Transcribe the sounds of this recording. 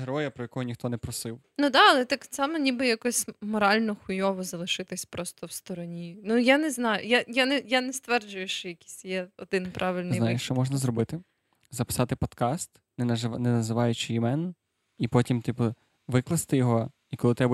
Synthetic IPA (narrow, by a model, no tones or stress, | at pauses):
ɦeɾɔjɐpɾɔjɐkɔɦɔnʲixt̪ɔnɛpɾɔsɪw | nud̪ɑɐlˠɛt̪ɪkt̪sɑmɛnʲibɪjɐkɔsʲmɔɾɑlʲnɔxʊjɔʋɔzɐlˠɪʃɪt̪ɪsʲpɾɔst̪ɔwst̪ɔɾɔnʲinujanɛznɑjʊ̰jajanɛjanɛst̪ʋɛrd͡ʒʊjʊʃt͡ʃɔjɐkʲi̥sʲjɛɔd̪ɪnpɾʔɑʋɪlʲnɪj̪aɪjɪʃt͡ʃɔmɔʒnɐzɾɔbɪt̪ɪ | zɐpɪ̥sɑt̪ɪpɔd̪kɑst̪ | nɛnɛnɐzɪʋɑjʊt͡ʃɪjɪmɛn | ipɔtʲimt̪ipɐ | ʋɪklˠɐst̪ɪjɔɦɔ | ikɔlˠɪt̪ɾɛbɐ